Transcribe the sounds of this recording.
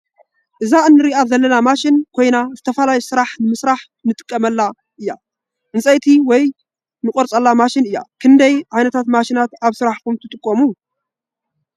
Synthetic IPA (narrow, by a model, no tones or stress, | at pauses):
ʔɨzaɨnːɨɾiʔazɐlːɐnamaʃɪnkʰo̞jnazɨt̪ʰɐfalajisɨɾaħnɨmɨsɾaħ | nɨt̪ʼɨ̥kʼːɐmɐlːa | ʔɨjːa | ʔɨnsʼɐjt̪ʰiwɔj | nɨkʼoɾt͡sʼɐlːamaʃɪnɨjːa̰kʰɨnd̪ɐjʕajnɐt̪ʰat̪maʃɪnat̪aβsɨɾaħkumt̪ʰɨt̪ʼɨkʼːomu